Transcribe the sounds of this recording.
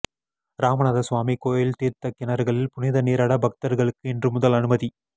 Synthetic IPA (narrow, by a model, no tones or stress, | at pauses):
ɾaːmɐɳɐðɐsʋaːmikoːjɪlt̪iːɾt̪ɐkːɪnɐɾɣɐɭɪlpʊnɪðɐniːɾɐɽɐbɐk̚t̪ɐɾɣɐɭɯkːɯɛndrɯmʊðɐlɐnɯmɐði